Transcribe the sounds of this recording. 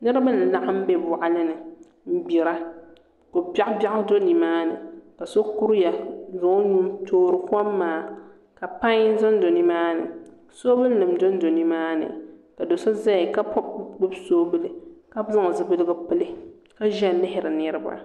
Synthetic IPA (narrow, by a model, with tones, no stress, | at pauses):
nɨ˦ɾɨ˦ba˦lɨ˨la˦ʔa˦m̩˦be˦bʊ˨ʔa˦lɨ˦nɨ˨ | m̩˦bi˨ɾa˦ | ko˨pa˦ʔba˦ʔʊ˦do˦ni˨maː˦nɨ̰˨ka˨so˦ku˦ɾja˨zʊ˨˦nu˦mtʰoː˦ɾɨ˦ka˦mː˦aː˨˦˨ | ka˨pa˦ɲ˦zo˦n˦do˨nɨ˦maː˦nɨ̰˨ | so˦bɨ˦lnɨ˨mdo˦n˦do˨ni˨˦maː˦nɨ̰˨ka˨do˨so˦za˦jɪ˨ka˦pɔ˦bɡ͡bɨ˦bsoː˦bɨ˦lɨ˨ka˦zɨ˦ŋ˨zɨ˨bɨ˦lɨ˦ɡɨ˦pɨ˦lɨ˦ | ka˦ʒɛ˦˨nɪ˦ɦɪ˨ɾɨ˨nɨ˦ɾɨ˦ba̰˦